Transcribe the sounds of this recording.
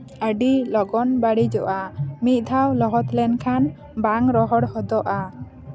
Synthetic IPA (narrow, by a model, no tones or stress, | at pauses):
əɖilɔɡɔnbaɽid͡ʒɔʔamit̪̚d̪ʱawlɔɦɔt̪lɛnkʰan | baŋɾɔɦɔɽhɔd̪ɔʔa